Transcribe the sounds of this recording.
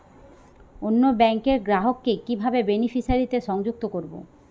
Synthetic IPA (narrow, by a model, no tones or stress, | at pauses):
onːobɛŋkeɾɡɾaɦokːekibʱabebenifiʃaɾit̪eʃɔŋd͡ʑuk̚t̪okoɾbo̰